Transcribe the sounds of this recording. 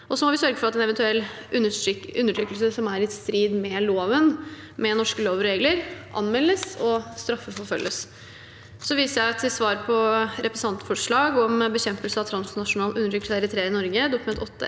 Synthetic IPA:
ʔɔsɔmɔʋɪsœɾɡəfɔɾɑt̪ɛnɛʋɛnt̪ʉɛlː | ʉʉnːəʈʰɾyːkːəlsəsɔmæɾɪst̪ɾiːd̪mɛloːʋən | mɛnɔʂkəloːʋɾeːɡləɾʔɑ̰nmɛlːəsɔst̪ɾɑfːəfɔɾfœlːəs | sɔʋiːsəjæɪt̪ʰɪlsʋɑːɾpʰɔɾɛpɾɛsɑnt̪fɔʂɭɑːɡɔmbəçɛmpəlsəɑʋt̪ʰɾɑnsnɑʂʊnɑːlʔʉnəʈʰʏːkəsæɪɾɪt̪ʰɾeːɾɪnɔɾɡəd̪ʊkʉmɛnt̪ɔt̪ːə̰

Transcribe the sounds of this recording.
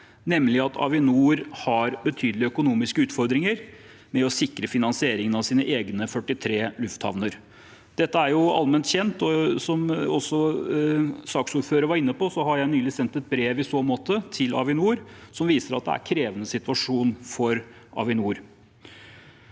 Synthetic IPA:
nɛmːlɪɑt̪ʰɑ̰ʋɪnuːɾhɑɾbət̪ʰyːd̪lɪœkʊnuːmɪskəʉːt̪fɔɾd̪ɾɪŋəɾ | mɛɔsɪkɾəfɪnɑnsɪeːɾɪŋənɑʋsiːnəʔeːɡnəfœʈːɪt̪ʰɾeːlʉft̪hɑ̰ʋnəɾ | d̪̥ɛt̪ːəæɾjʊɑ̰lmɛnt̪çɛnt̪ɔsɔmɔsːɔ | sɑːksuːɾføːɾəɾʋɑɾɪnːəpɔsɔɦɑɾjæɪnyːlɪsɛnt̪ɛt̪̚bɾeːʋɪsoːmoːt̪ət̪ʰɪlɑ̰ʋɪnuːɾsɔmʋiːsəɾɑ̰t̪̚d̪ɛ̰æ̰ɾkʰɾeːʋənəsɪt̪ʉɑʂuːnfɔɾ | ʔɑ̰ʋɪnuːɾ

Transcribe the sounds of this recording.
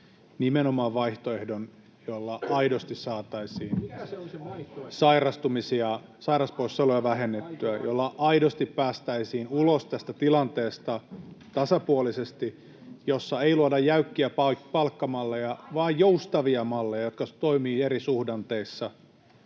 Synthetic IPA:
nimenomɑːʋʋɑiht̪oehdon | jolːɑɑidost̪issɑːt̪ɑisiːn | sɑirɑst̪umisiɑ | sɑirɑsposselojɑʋæhenːet̪ːyæjolːɑʔɑidost̪ippæːst̪æisiːnulost̪æst̪æt̪ilɑnt̪eːst̪ɑt̪ɑsɑpuolisest̪i | josːɑeiluɑdɑjæykːiæpɑpɑlkːɑmɑlːejɑʋɑːjjoust̪ɑʋiɑmɑlːejɑjot̪kɑt̪oimiːeɾisuhdɑnt̪eisːɑ

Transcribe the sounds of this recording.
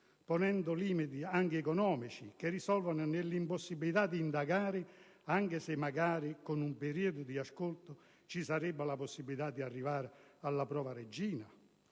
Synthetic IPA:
ponɛnd̪ʊliːmit̪iaŋkɪɛkɔnɔːmit͡ʃikerisɔlvanʊnelːimposːibːilit̪ad̪ːiːnd̪aɡaːɾɪ | aŋkɪsɪmːaɡaːɾɪkʊnumpeɾiːod̪ʊd̪iaskolt̪ʊ | t͡ʃisaɾɛbːalaposːibːilit̪ad̪ːiarːivaːɾɪalːapɾɔːvaɾed͡ʒːiːna

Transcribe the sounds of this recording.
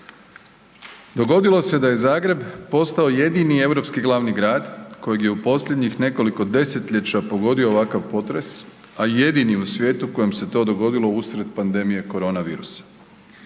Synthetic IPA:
d̪o̞ɡo̞d̪ilˠo̞se̞d̪aje̞zaːɡɾe̞bpo̞st̪ao̞je̞d̪inie̞ʋɾo̞pskiɡlˠaʋniɡɾaːd̪ko̞jeɡje̞upo̞sʎʲed̪ɲixne̞ko̞liko̞d̪e̞se̞t̪ʎet͡ɕapo̞ɡo̞d̪io̞ːʋakaʋpo̞t̪ɾe̞s | aje̞d̪iniusʋje̞ːt̪uko̞jemse̞t̪o̞ːd̪o̞ɡo̞d̪ilˠo̞usɾe̞t̪̚pand̪e̞mije̞ko̞ɾo̞naʋḭːɾusḁ

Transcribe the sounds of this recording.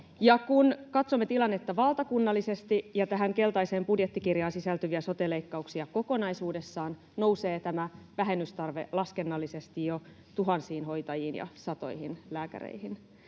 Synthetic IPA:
jɑkunkɑt̪somːe̞t̪ilɑnːe̞t̪ːɑʋɑlt̪ɑkunːɑlːise̞st̪ijɑt̪æɦæŋke̞lt̪ɑiseːmpudjet̪ːikirjɑːnsisælt̪yʋiæso̞t̪ele̞jkːɑuksiɑko̞ko̞nɑjsuːde̞sːɑːn | no̞wse̞ːt̪æmæʋæɦe̞nːyst̪ɑrʋe̞̰lɑske̞nːɑlːise̞st̪ijo | t̪uɦɑnsiːnɦo̞jt̪ɑjiːnjɑ̰sɑt̪o̞̰jhinlæːkæ̰ɾḛihin

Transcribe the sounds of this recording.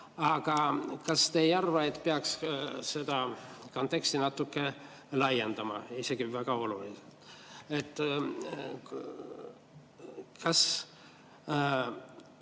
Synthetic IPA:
ɑɡ̥ɑkɑst̪ejɑrvɑe̞t̪ːˑpeɑksse̞d̪̥ɑko̞nt̪ːˑe̞ksʲt̪inɑt̪ːˑukːe̞ | lɑje̞nd̪̥ɑmɑ̰ise̞ɡ̥ivæɡ̥ɑo̞luliselt̪et̪ːˑ | kɑs

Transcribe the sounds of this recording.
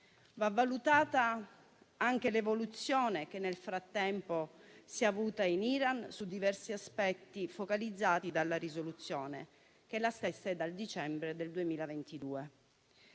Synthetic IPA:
vavːalut̪aːt̪a | aŋk̟elevolut̪sːjoːnek̟enːelfɾat̪ːɛmposiavuːt̪ainiɾansud̪ːivɛrsiaspɛt̪ːifokalid̪zːaːt̪id̪alːaɾizolut̪sːjoːnḛ | keɛlːast̪esːɛd̪ald̪it͡ʃɛmbɾed̪eld̪uemiːlavent̪id̪uːe

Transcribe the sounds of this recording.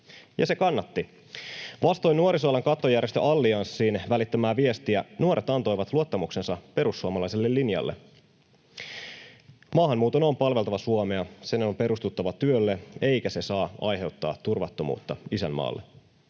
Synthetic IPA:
jɑ̰se̞kɑnːɑt̪ːi | ʋɑst̪o̞jnuoɾisoɑlɑŋkɑt̪ːojæɾrjest̪øʔɑlːiɑnsːiːnʋælit̪ːæmæːʋie̞st̪iænuoɾʔet̪ɑnt̪o̞jʋɑt̪luot̪ːɑmukse̞nsɑpe̞ɾusːuomɑlɑjse̞lːelːinjɑ̰lːʔḛ | mɑːɦɑmmːuːt̪onompɑlʋe̞lt̪ɑʋɑsuomeɑsenompe̞ɾust̪ut̪ːɑʋɑt̪yølːee̞jkæse̞sɑːɑ̰jɦe̞wt̪ːɑ̰ːt̪ːurʋɑt̪ːo̞mṵːt̪ːɑisæmːɑ̰ːlːḛ

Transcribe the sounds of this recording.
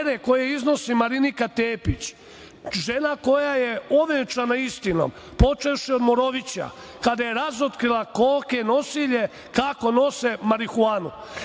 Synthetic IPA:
ɾeko̞jeizno̞simaɾinikat̪eːpit͡ɕ | ʒenako̞jajeo̞ʋet͡ʃanaist̪ino̞̰m | po̞t͡ʃefʃiod̪moɾo̞ʋit͡ɕa̰ | kad̪aje̞ɾazot̪kɾilˠakoːkeno̞siʎe̞ | kako̞no̞semaɾixuaːnu

